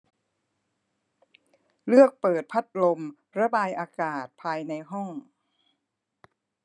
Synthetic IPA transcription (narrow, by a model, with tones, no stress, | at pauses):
lɯ˥˩ək̚pɤː˨˩t̪̚pʰa˦˥t̪̚lo˧m | ɾa˧baː˧jʔaː˧kaː˨˩t̪̚pʰaː˧jna˧jɦɔ˥˩ŋ